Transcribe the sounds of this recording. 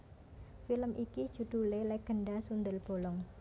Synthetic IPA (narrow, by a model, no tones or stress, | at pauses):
filəmʔiki̥ʒ̥ṳd̪̥ṳleleɡ̥ə̤ɳɖasund̪əlb̥o̤lɔŋ